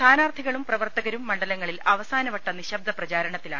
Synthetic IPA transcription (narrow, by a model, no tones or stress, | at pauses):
aːnaːrt̪ʰiɣɐɭumprɐʋɐrt̪ɐɣɐɾumːɐɳɖɐlɐŋːɐɭilɐʋɐsaːnɐʋɐʈːɐniɕɐb̚d̪ɐprɐt͡ɕaːɾɐɳɐt̪ːila̰ːɳ